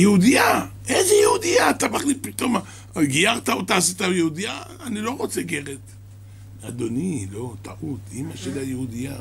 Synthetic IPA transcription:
jeud̪ijaʔezejeud̪ijaːt̪amaχlit̚pit̪o̞ma | ɡijaʁt̪aot̪aːsit̪ajehud̪ijaː | nilo̞ʁo̞t͡seɡeʁet̪ | ad̪o̞nilo̞t̪aʔut̪imaʃelajehud̪ija

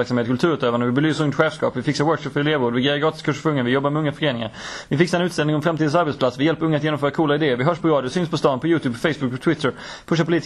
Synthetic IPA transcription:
æɾksameːt̪kʰɵlt̪ʰʉːɾʉt̪øːvand̪əvɪbɛlyːsɵŋt̪ɧɛːvskɑ̰ːpvɪfɪksaɾwœːɾkʂɔpfœɾɪleːvoːd̪vɪɡeːɾaɡɾɑːt̪ɪskʰɵʂfɵŋːənvɪjɔbːaɾmɛɵŋːafœɾeːnɪŋa̰ɾvɪfɪksaɛnʉːt̪st̪ɛlnɪŋɔmfɾamt̪iːd̪nsaɾbɛt̪splat̪svɪjɛlpːəɾɵŋːat̪jeːnɔmfœːɾakʰuːlaɪd̪eːəɾvɪɦœʂpʰɔɾɑːd̪jʊsʏnspʰɔst̪ɑːnpʰɔjʉ̟ːt̪ʰʉːbfɛjsbʊkɔt̪ʰwɪt̪ʰːəɾ | pʰɵʂ̬apʊliːt̪

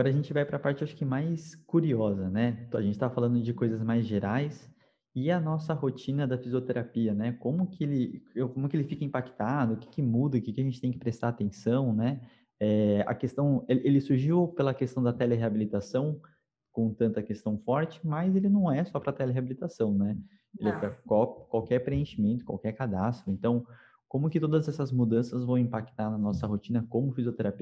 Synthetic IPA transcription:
aɡɔɾɐʒẽnt͡ʃɪvajpɾɐpaɾt͡ʃɪaʃʊ̥kɪmajskuɾiɔzɐnɛaʒẽnt͡ʃɪt̪avɐfalɐ̃nd̪ʊd͡ʒɪkojzɐzmajzʒeɾajs | ɪɐnɔsɐɦot͡ʃĩnɐd̪ɐfizijot̪eɾapiɐnɛkõmʊkɪelɪkõmʊkɪelɪfikɐĩpakt̪ad̪ʊʊkɪ̥kɪmud̪ɐʊkɪkɪɐʒẽnt͡ʃɪ̥t̪ẽj̃kɪpɾest̪aɾat̪ẽsɐ̃w̃nɛ | ɛɐ̰kest̪ɐ̃w̃eʔelɪsuɾʒiwpelɐkest̪ɐ̃w̃d̪ɐt̪ɛleɦeabilit̪asɐ̃w̃ | kõt̪ɐ̃nt̪ɐkest̪ɐ̃w̃fɔɾt͡ʃɪ̥mɐzelɪnɐ̃w̃ɛsɔpɾɐt̪ɛleɦeabilit̪asɐ̃w̃nɛ | elɪɛpɾɐkakwawkɛɾpɾeẽʃimẽnt̪ʊ̥kwa̰wkɛɾkad̪ast̪ɾʊẽnt̪ɐ̃w̃ | kõmʊkɪt̪od̪ɐzɛsɐzmud̪ɐ̃sɐzvɐ̃w̃ĩpakt̪aɾnɐnɔsɐɦot͡ʃĩnɐkõmʊfizjot̪eɾapi

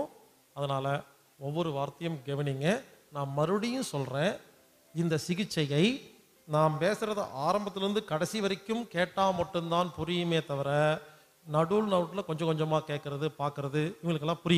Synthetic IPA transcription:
ɐðɐnaːlɐ | ɔʋːɔɾɯʋaːɾt̪ɐjɐmɡɛʋɐniŋɡɐnaːmɐɾɯɽɪjɯ̃nsɔlrẽː | ɪnd̪ɐsɪɣɪt͡ʃːɐjɐɪ | naːmpeːsɪɾɐðɯ̰ʔaːɾɐmbɐt̪ːɪlɾɯnd̪ɯkɐɽɐsiʋɐɾɪkːɯmkeːʈːaːmɐʈːɯmt̪aːnpʊɾɪjɯmeːt̪ɐʋɐɾɐ | nɐɽulnɐɾɯʈːɯlɐkɔɲd͡ʒɐ̃kɔɲd͡ʒɐmːaːkeːʈ̚kɪɾɐðɯpaːɾkɯɾɐðɯɪŋɡɐlɯkːɛlːãːpʊɾɪjm

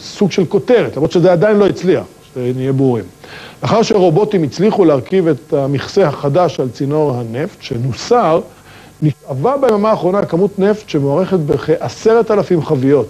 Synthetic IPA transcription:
suɡʃe̞lko̞t̪e̞ʁet̪lamʁot̪ʃezead̪ainlo̞it͡slia̰χʃenijebuʁimleaχaʁʃeʁo̞bo̞t̪imit͡sliχuleaʁkivet̪amiχsehaχadaʃalt͡sino̞ʁhaneft̪ʃenusaʁ | niʃavabeemamaːχʁo̞nakamut̪ne̞ft̪ʃemoaʁe̞χet̪beχeʔaseʁet̪alafimχavijo̞t̪

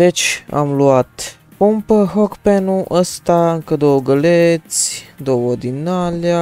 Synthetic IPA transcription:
d̪e̞t͡ʃʲa̰mluat̪ | pumpəɦokpenuʔəst̪aɨŋkəd̪owəɡəlet̪sʲd̪owəd̪inalja

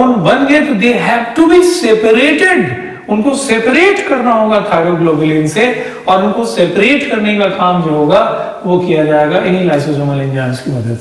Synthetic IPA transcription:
ʊnbɐnɡeet̪od̪eːɦɛːʋʈubiseːpəɾeːʈɪɖ | ʊnkoseːpəɾeːʈkɐɾnaɦoːɡat̪ʰaːd͡ʒoɡloːbəlinse | ɔːɾʊnkoseːpəɾeːʈkɐɾnekakaːmd͡ʒoɦoːɡa | ʋokijad͡ʒaːeːɡaɪnilaːɪsə̃zõməlɪ̃nd͡ʒãːnskimɐd̪əd̪

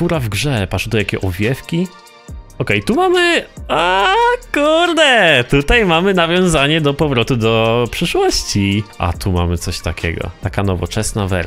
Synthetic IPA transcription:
uɾavɡʐɛpaʂd̪ɔjakʲɛʔɔvʲjɛfkʲi | ɔkɛjt̪umamɘakuɾd̪ɛt̪ut̪ajmamɘnavʲjɔ̃w̃zaɲɛd̪ɔpɔvɾɔt̪ud̪ɔpʂɘʂwɔɕt͡ɕiʔa̰t̪uma̰mɘt̪sɔɕt̪akʲʰɛ̰ɡɔ̰t̪akanɔvɔ̰t͡ʂɛsnavɛ̰ɾ

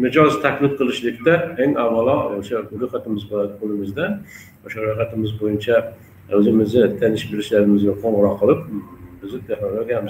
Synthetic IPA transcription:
mɪd͡ʒɒzt̪ʰakʰʲlɪt̪̚qʰɨlˠɪʃlɪkʲt̪aeŋavːalˠɒoʃaɾoqat̪ɪmɪzboaqʰolˠɪmɪzd̪a | oʃaɾojχat̪ɪmɪzbojɪnt͡ʃʰa | ozɪmɪzɪt̪ʰanɪʃbeɾɪʃlaɾɪmɪzɡʲaqʰoɴʁʊɾɒqʰːəlˠɪpbɪzɪt̪ʰeχnoloɡʲamɪz

